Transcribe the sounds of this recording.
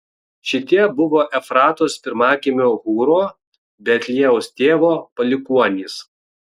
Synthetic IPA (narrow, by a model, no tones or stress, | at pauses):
ʃʲɪt̪ʲiɛbʊʋoːʔɛfɾɑːt̪oːspʲɪɾmɑːkʲimʲoːɣuːɾoː | bʲɛt̪ʲlʲiɛʊst̪ʲeːʋoːpɐlʲɪkuɔnʲiːs